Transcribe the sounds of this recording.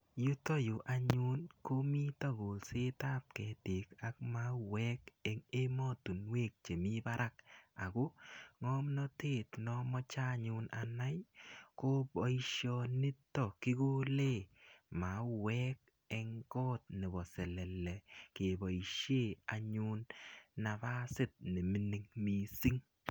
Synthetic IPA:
ju˦to˦jo˨ʔa˨ɲu˦nko˦mi˦tɔ˦ɡo˨lse˦ta˦p̚kɛ˨te˨ka˨˦k̚ma˦wɛ˦kɛ˨ŋe˦mɔ˦tu˨nwe˦˨k̚t͡ʃe˨mi˦ba˦ɾʔa˦k̚a˨ko˦ŋɔ˦mnɔ˦te˦˨tnɔ˦mɔ˦t͡ʃa˦ɲʊ˦na̰˨na˦jko˦bɔ˨˦i˦ʃjɔ˧nɪ˦tːɔ˦˨ki˦ko˦le˦˨ma˨˦wɛ˦k̚ | ɛ˧ŋkɔː˦t̚ne˨bɔ˨sɛ˨lɛ˨lɛ˨ke˨bɔ˨i˨ʃe˦˨a˨ɲu˦nːa˨ba˦sɪ˦˨t̚nɪ˨mi˨ni˨ŋmi˨si˦ŋ

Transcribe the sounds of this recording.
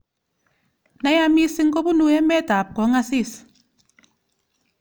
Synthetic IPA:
na˦ja˦mi˦si˦ŋ̩˦kɔ˦bu˦nu˦ɛ˦mɛ˦ta˨p̚kɔ˨˦ŋa˦si˦˨s

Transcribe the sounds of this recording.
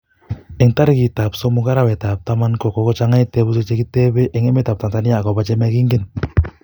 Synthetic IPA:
e˨ŋta˦ɾi˦ki˨ta˨pso˦mu˦ɡa˦ɾa˦wɛ˨ta˨p̚ta˦ma˦nkɔ˨kɔ˨kɔ˦t͡ʃa˦ŋa˦jte˦bu˦s̬e˦t͡ʃe˦ki˦te˦be˦ʔe˨ŋe˦me˦ta˨p̚ta˨ŋta˨ni˦ja˦˨kɔ˨ba˦t͡ʃɛ˦mɛ˦ki˦ŋɡe˦n

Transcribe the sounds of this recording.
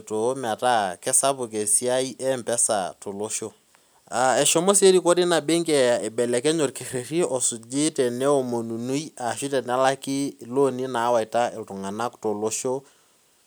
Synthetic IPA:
to˨˦m˨a˨ta˦kɛ˦sa˦pʊ˨ke˨si˦a˦i˦ʔɛ˦mpɛ˦sa̰˨to˨lo˦ʃo˦ | a˨ɛ˨ʃɔ˦mo˦sje˦ɾi˦ko˦ɾi˦na˨be˦ŋkɛ˨a˨e˨bɛ˨lɛ˨kɛ˦ɲo˨tke˨re˨ri˦ɔ˨su˨d͡ʒɪ˦tɛ˨nɛ˦o˨mo˨nu˨nu˦i˦a˨ʃi˦tɛ˨n˨a˦la˦kɪ˦lo˦ni˦na˨˦wa˨i˨ta˦ɪ˨ltʊ˨ŋa˨na˦kto˨lo˦ʃo˦

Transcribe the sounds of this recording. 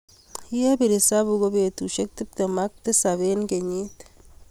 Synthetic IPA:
je˦bi˨ɾi˨sa˦bu˨ɡo˦be˨t̪u˨ʃe˦k̚t̪i˦p̚t̪e˨ma˦k̚t̪i˦sa˨βe˦nɡe˨ɲi˦t̪

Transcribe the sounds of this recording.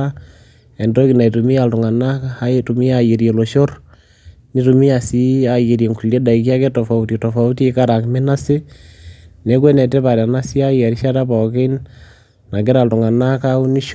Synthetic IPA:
a | e˨ndo˦ki˨na˨i˨tu˨mi˦a˨ltu˨ŋa˨na˦kaa˦e˦tumi˦a˨je˨ɾje˨lo˨ʃo˦ɾ | ni˦tu˨mi˦a˨si˦a˨je˨ɾje˨ŋku˨le˦da˨i˨k̬i˦a˦ke˦to˨fa˨utito˨fa˨u˦ti˦e˦ka˦ɾa˨kme˦na˦se˦ | ne˦k̬we˦ne˨te˦βa˨ɾa˨na˦si˦a˦ja˨ɾi˦ʃa˦ta˦βɔ˨ke˦n | na˨ɡe˦ɾa˨ltu˨ŋa˨na˦kau˦ni˦ʃ

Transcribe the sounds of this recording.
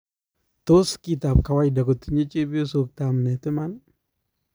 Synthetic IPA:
to˦ski˦˨ta˨p̚ka˨wa˦jda˨ɡo˨t̪u˨ɲe˦t͡ʃe˦bi˦o˦so˨k̚ta˨mnɛ˨tɪ˦ma˦n

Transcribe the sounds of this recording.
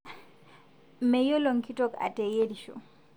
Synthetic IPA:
mɛ˨jo˦lɔ˨ŋki˦tɔ˦ka̰˨tɛ˨je˦di˨ʃo̰

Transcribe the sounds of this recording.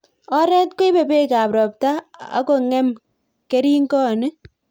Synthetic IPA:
ɔ˦ɾɛ˦tko˦i˦pe˨pe˦ka˨pɾɔ˨p̚ta˦a̰˦ko˨ŋɛ˦m | ke˦ɾi˦ŋkɔ˦˨ne˦

